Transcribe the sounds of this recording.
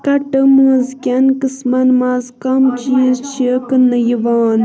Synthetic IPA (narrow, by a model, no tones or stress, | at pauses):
kɐʈəmũːzkʲɐnkɨsmɐnmazkɐmt͡ʃizt͡ʃʰikɨnɐjiʋaːn